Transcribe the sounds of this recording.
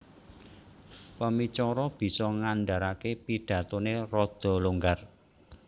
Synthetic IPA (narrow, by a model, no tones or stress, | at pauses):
pəmit͡ʃɔɾɔb̥i̤sɔŋanɖaɾakepiɖ̥ä̤t̪onerɔd̪̥ɔ̤luŋɡar